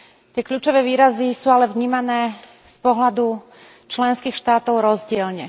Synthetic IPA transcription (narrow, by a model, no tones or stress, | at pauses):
t̪ɪɛkʎuːt͡ʃɔʋɛːʋiːɾazisuːalɛvɲiːmanɛː | spɔɦlad̪u | t͡ʃlɛnskiːxʃt̪aːt̪ɔʊɾɔzɟɪɛlɲɛ